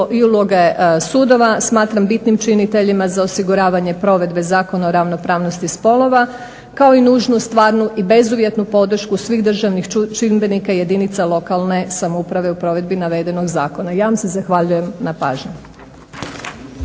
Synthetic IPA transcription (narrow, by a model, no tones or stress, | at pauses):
ʔiulˠo̞ɡesuːd̪o̞ʋasmaːt̪ɾambit̪nimt͡ʃinit̪e̞ʎimazaosiɡuɾaːʋaɲe̞pɾo̞ʋe̞d̪be̞zaːko̞naoɾaʋno̞pɾaːʋnost̪ispo̞lˠo̞ʋa | kao̞inuːʒnust̪ʋaːɾnuʔibe̞zuʋje̞t̪nupo̞d̪r̩ʃkusʋiɣd̪r̩ʒaʋnixt͡ʃinbe̞nikaje̞d̪init̪salˠo̞kalˠne̞samoupɾaʋe̞upɾo̞ʋe̞d̪̚binaʋe̞d̪e̞no̞ɡzaːko̞najaʋamse̞zaxʋaʎuje̞mnapaːʒɲu